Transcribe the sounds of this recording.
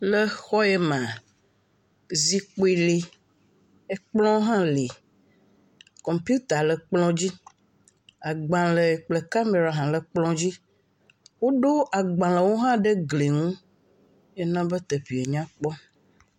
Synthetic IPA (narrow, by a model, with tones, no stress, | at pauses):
lə˦xɔ˦e˦mã˨ | zi˦k͡po˦i˨le˦ | e˦k͡plɔ̃˦ɦã˦le˨ | kɔ˨mpju˦t̪a˨lə˨k͡plɔ̃˦d͡ʑi˦ | a˨ɡ͡bã˨lə˨k͡ple˨ka˦me˨ɾa˨ɦã˨lə˨k͡plɔ̃˦d͡ʑi˦ | wo˦ɖo˦a˨ɡ͡bã˨lə˨wo˦ɦã˦ɖə˦ɡle˨ŋũ˦ | je˦nã˦bə˦t̪ə˨ɸi˨e˨ɲã˦k͡pɔ˦